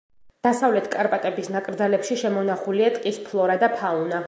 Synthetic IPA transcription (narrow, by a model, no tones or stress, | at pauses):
d̪̥asavlɛt̪ʰkʼaɾpʼat̪ʼɛbisnakʼɾd̪zalɛpʃiʃɛmɔnaχuliat̪ʼqʼispʰlˠɔɾad̪apʰauna